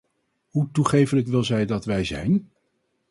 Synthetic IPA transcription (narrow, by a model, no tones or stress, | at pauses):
ɦutuχejfələkʋɪlˠzɛjdɑtʋɛjzɛ̰jn